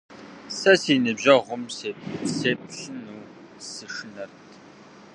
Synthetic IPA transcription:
sɐsinɨbʑɐʁʷʊmsseːp̚ɬɨnuː | sɨʂɨnɐrtʰ

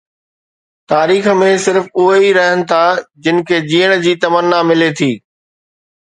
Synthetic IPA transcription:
t̪aːɾiːxmẽsɪɾfʊɦeiɾɐɦənɪ̆t̪ʰad͡ʑɪnɪ̆kʰeːd͡ʑiːəɽ̃d͡ʑiːt̪ɐmənːamɪlet̪ʰiː

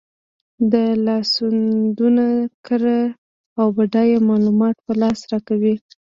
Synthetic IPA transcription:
d̪əlɑsund̪unakəɾa | awbaɖɑjemɑlumɑt̪̚pəlɑsɾɑkawi

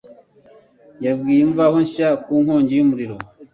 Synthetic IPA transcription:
jabɡiːjeɱvahoɲʃakuːŋho̞ːɲɟijumuɾiɾo

